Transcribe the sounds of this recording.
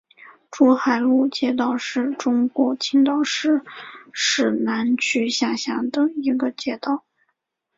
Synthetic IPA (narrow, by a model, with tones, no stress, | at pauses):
ʈ͡ʂɔ˥xa˨˧˩ɪlu˥˩t͡ɕjɛ˥˧t̪ɑ˥˩ʊʂɻ̩˥˩ʈ͡ʂʊ˥ŋkwɔ˧˥t͡ɕʰi˥ŋt̪ɑ˥˩ʊʂɻ̩˥˧ʂɻ̩˥˩na˧˥nt͡ɕʰy˥ɕja˥˩ɕja˧˥d̪ə˧i˧˥ɡə˧t͡ɕjɛ˥t̪ɑ˥˩ʊ